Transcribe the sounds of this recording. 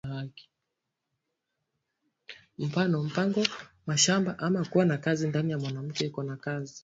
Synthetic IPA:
aki̥ | m̩fanɔm̩paŋɡɔ | maʃambaʔamakuwanakazindanijamwanam̩kɛikɔnakazi

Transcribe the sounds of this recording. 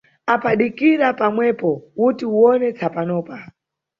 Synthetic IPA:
apaɗikiɾapamwɛpɔutiuɔnɛt͡sʰapanɔːpa

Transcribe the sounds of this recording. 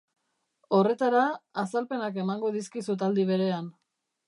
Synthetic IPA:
o̞re̞t̪aɾaːsalpe̞nake̞maŋɡo̞ðiskisut̪ald̪iβ̞e̞ɾe̞an

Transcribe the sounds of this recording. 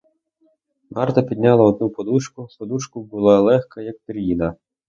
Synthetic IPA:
mʔɑrt̪ɐpʲid̪ʲnʲɑlˠɐɔd̪̚nupɔd̪uʃkʊpɔd̪uʃkʊbʊlˠɑlˠɛxkɐjɐk̚t̪ɾʲjinɐ

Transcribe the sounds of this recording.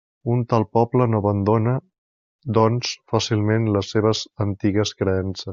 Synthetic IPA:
unt̪alˠpɔblənoəβənd̪onə | d̪ɔnsfasilˠmenləsːeβ̞əzənt̪iɣəskɾəɛnsəs

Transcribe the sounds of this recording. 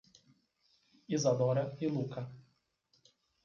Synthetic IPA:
izad̪ɔɾailˠuka

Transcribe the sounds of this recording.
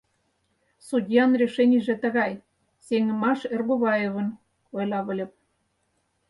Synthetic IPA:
sudʲjɑnrʲeʃenʲiʒĕt̪ə̆ɣɑj | seŋə̆mɑʃerboβɑjeβə̆n | ojlɑβə̆lʲɤ̆p̚

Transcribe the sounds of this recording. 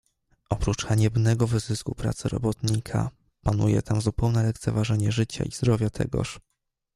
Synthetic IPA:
ʔɔpɾut͡ʂxaɲɛbnɛɡɔvɘzɘskupɾa̰t̪sɘɾɔ̰bɔt̪ɲikʰa̰ | panujɛ̰t̪ʰamzupɛwnɛlɛk̚t̪sɛvaʐɛɲɛʐɘt͡ɕa̰ʔizd̪ɾɔvʲjat̪ʰɛ̰ɡɔ̰ʂ

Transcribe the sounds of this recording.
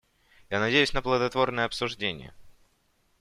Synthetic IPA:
janɐdʲejʉsʲnəplˠəd̪ɐt̪vo̞rnəjəɐpsʊʐdʲenʲɪ̰jə̰

